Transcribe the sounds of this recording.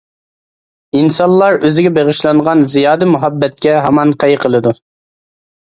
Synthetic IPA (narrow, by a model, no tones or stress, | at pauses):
insɑnlːˠɑɾøzɪɡʲɛbeʁɨʃlˠɑɴʁɑnzijɑːd̪ɨmuɦɑbːɛt̪̚kʲɛɦɑmɑnqʰɛjqʰəlˠɨd̪u